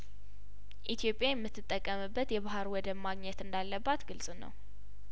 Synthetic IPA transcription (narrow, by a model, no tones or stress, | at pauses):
ʔit̪ʰijo̞pʼːjajɛmːɨt̪ʰːɨt̪ʼːəkʼːəmɨbːət̪jɛβaɦaɾwɔd̪əmːaɡɲɛt̪ɨnd̪alːəbːat̪ɡɨlsʼunə̰w